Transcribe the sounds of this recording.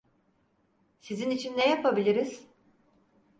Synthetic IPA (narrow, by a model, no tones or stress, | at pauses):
sizinit͡ʃʰinːejapʰabilʲiɾiz̥